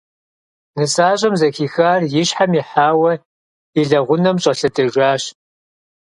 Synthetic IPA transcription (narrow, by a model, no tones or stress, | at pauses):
nɨsaːɕʼɐmzɐxiːxaːrjɪɕħamiħaːwɐ | iɮɐʁʷʊnɐmɕʼɐɬɐtʼɨʒʷaːɕ